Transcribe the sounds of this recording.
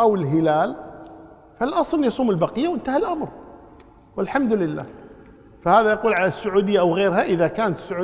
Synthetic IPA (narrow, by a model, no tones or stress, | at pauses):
ʔawɪlɦɪlaːl | falʔɑsˤlnjɑsˤuːmɪlbaqɪjːawʔɪnt̪ahalʔamɾ | wɪlħamd̪lɪlːa̰ː | fahaːðajɑquːlʕalasːʊʕuːd̪ɪjːaʔawɣeːɾɦaʔɪðakaːnt̪sːʊʕuː